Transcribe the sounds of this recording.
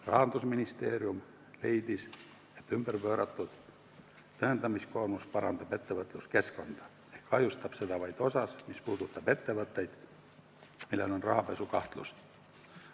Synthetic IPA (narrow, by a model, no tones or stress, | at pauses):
rɑ̰ɦɑnd̪usminist̪e̞ːɾium | le̞jd̪̥is | e̞t̪ːymb̥ərpø̞ːɾɑt̪ːud̪̥ | t̪øɦent̪ɑmisko̞rmuspɑɾɑnd̪ɑb̥e̞t̪ːevɤt̪ːˑluske̞skond̪̥ɑ̥ehkɑjust̪ɑb̥se̞d̪ɑvɑjt̪o̞sɑsmispuːd̪̥ut̪ːˑɑpe̞t̪ːevɤt̪ːˑejd̪̥ | milːelo̞nrɑɦɑpe̞sukɑht̪lṵs